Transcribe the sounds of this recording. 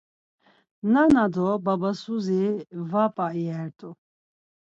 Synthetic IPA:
nanad̪ɔbabasuzivapʼaiɛɾt̪ʼu

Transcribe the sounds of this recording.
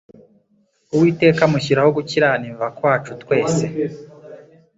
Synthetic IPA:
uwiːte̞ːkamuçiɾaho̞ɡuciɾaniɱvakwaːt͡ʃutkwe̞ːse̞

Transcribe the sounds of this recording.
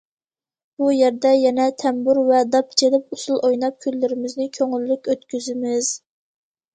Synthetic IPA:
b̥ujæɾd̪ɛjɛnɛt̪ʰɛmbuɾvɛd̪ɑp̚t͡ʃʰelɪp̚usulˠʔojnɑp̚kʲʰylːɪɾɪmɪznɪkʲʰøŋylːykʲøt̪kʲyzɪmɪz̥

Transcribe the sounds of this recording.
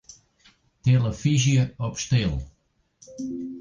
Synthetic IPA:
t̪elˠɐfiʒjɐɔpʃt̪elˠ

